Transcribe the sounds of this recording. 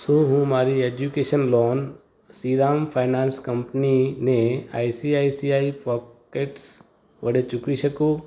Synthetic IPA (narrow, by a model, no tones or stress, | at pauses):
soɦũmaːɾieːd͡ʒukeːʃənlɔːn | siːɾaːmpʰaːnaːnskɐmpninea̰ːisiaːisiaːipɔːkeːʈs | ʋɐɽet͡ʃʊkiʃɐkoː